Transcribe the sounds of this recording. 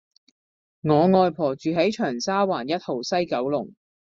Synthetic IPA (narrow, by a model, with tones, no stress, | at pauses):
ŋɔː˨˧ŋɔː˧jpʰɔː˨˩t͡ʃyː˨ɦɐ˨˥jt͡ʃʰœː˨˩ŋsaː˥waː˨˩njɐ˥t̚ho˨wsɐ˥jkɐ˨˥wlʊ˨˩ŋ